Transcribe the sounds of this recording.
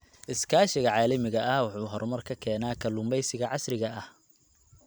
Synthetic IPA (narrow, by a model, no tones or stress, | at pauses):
ʔɪskʰaːʃɪɣɐʕɑːlɐmɪɣɐʔɐhwɑħuːɦɔɾrmɐrkʰɐkʰɛːnaːkʰɐlʊmbɛjsɪɣɐʕɑsrɪɣɐʔɐh